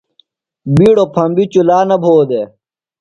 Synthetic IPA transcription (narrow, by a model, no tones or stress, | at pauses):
biːɽopʰɐmbit͡ɕulaːnɐbʱoːd̪eː